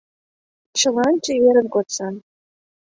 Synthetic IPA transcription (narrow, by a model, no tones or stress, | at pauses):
t͡ɕɤ̆lɑnt͡ɕĕβeɾə̆nkot̪sɑn